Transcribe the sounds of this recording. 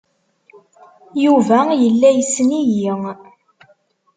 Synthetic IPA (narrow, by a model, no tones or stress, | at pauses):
juvæjəlːæjəsːniji